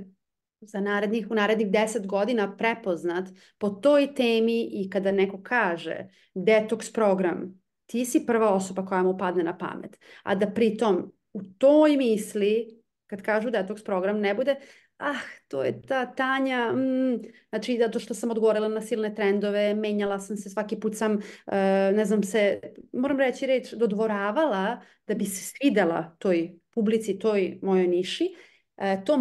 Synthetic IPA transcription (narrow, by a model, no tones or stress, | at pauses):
zanaːɾed̪nixunaːɾed̪niɣd̪eset̪ɡo̞d̪inapɾepo̞znat̪ | po̞t̪oːjt̪eːmiʔikad̪anɛko̞kʰaːʒḛ | d̪ɛt̪okspɾo̞ɡɾam | t̪iːsipr̩ʋaoso̞bakojamupad̪nenapa̰mḛt̪a̰d̪apɾit̪o̞m | ut̪ojmiːsli | kad̪kaːʒud̪et̪okspɾo̞ɡɾamnɛbud̪e | axt̪o̰ːjet̪aːt̪aːɲanat͡ʃizat̪o̞ʃt̪osamod̪ɡoʋoɾilˠanasiːlˠne̞t̪ɾend̪oʋeme̞ːɲalˠasamsesʋakipuːt̪samənɛznamsemoɾamɾet͡ɕiɾet͡ʃd̪o̞d̪ʋo̞ɾaːʋala | d̪̥abise̥sʋid̪elˠa̰t̪o̞ːjpublit̪sit̪o̞jmo̞jo̞jniʃi | t̪o